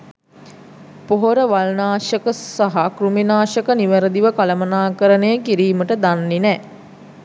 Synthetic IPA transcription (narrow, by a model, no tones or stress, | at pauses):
poɦoɾəʋalnaːʃəkəsaɦakruminaːʃəkəniʋəɾəd̪iʋəkaləmənaːkəɾənejəkiɾiːməʈəd̪anːinɛ